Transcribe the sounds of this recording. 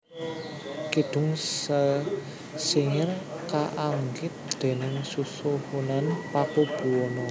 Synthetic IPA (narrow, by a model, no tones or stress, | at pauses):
kid̪̥ʊ̤ŋs | siɲərkaʔaŋɡɪt̪̚d̪̥e̤nɪŋsusuhunanpakub̥ṳɔnɔ